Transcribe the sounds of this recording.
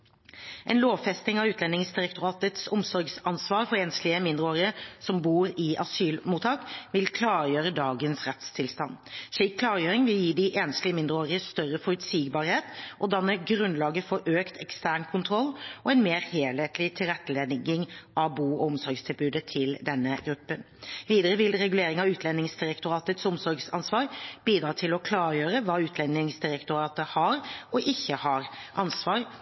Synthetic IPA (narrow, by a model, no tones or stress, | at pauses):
ʔɛnloːʋfɛst̪ɪŋɑʉːt̪lɛnːɪŋsd̪ɪɾɛk̚t̪ʊɾɑːt̪ət̪sʊmsɔɾɡsɑnsʋɑːɾfɔɾeːnst̪lɪəmɪnd̪ɾəoːɾɪəsɔmbuːɾɪʔɑsyːlmuːt̪ʰɑːkʋɪlkʰlɑːɾjøːɾəd̪ɑːɡənsɾɛt̪st̪ʰɪlst̪ɑ̰nːʂliːkːʰlɑːɾjøːɾɪŋʋɪljiːd̪ɪʔeːnst̪lɪəmɪnd̪ɾəoːɾɪəst̪œɾəfɔɾʉt̪siːɡbɑːɾheːt̪ʔɔd̪ɑnːəɡɾʉnlɑːɡəfɔɾʔøːkt̪ʰɛkst̪æːʁɳkʰʊnt̪ʰɾɔlːɔɛnmeːɾheːleːt̪lɪt̪ʰɪlʁɛt̪ːəleːd̪ŋɪŋʔɑʋbuːɔɔmsɔɾɡst̪ʰɪlbʉːd̪ət̪ʰɪld̪ɛnːəɡɾʉpːən | ʋiːd̪əɾəʋɪlɾɛɡʉleːɾɪŋɑʉːt̪ʰlɛnːɪŋsd̪ɪɾɛkt̪ʊɾɑːt̪ət̪sʊmsɔɾɡsɑnsʋɑːɾbiːd̪ɾɑːt̪ʰɪlɔkʰlɑːɾjøːɾəʋɑːʉːt̪ʰlɛnɪŋsd̪ɪɾɛkt̪ʊɾɑːt̪əhɑɾɔʔɪçːəhɑɾʔɑnsʋɑːɾ